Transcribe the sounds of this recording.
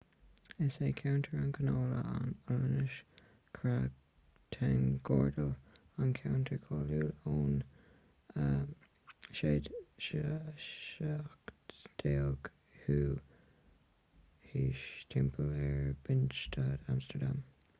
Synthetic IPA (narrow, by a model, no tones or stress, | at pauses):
ɛseːkʰawntʰəɹankʰənoːlə̰ʔa̰nɔɹnɪʃ | kʰɹaɡ | tʰanɡɔːɹdəl | ankʰawntʰəɹkʰɔːluːloːn | ə | ʃeːd̥ʃə | akd̪̥eːlɡ̥ | huː | hiːʃtʰɛmpʰəlɛɹb̥ɪnt͡ʃtʰaːdamstəɹdam